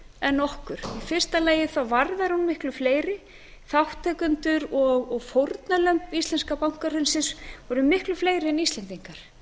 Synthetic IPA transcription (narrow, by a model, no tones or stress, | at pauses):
ɛnːɔhkʏɾ̥ifɪr̥st̪alɛːjɪθawvaɾðaɾhunmɪhklʏfleːjɾɪ | θawht̪ʰɛkʏnt̪ʏɾɔɣɔɣfowɾt̪nalœmpist̪lɛnskapawŋ̥kaɾhʏnsɪnsvɔɾʏmɪhklʏfleːjɾɪɛnist̪lɛnt̪iŋkaɾ̥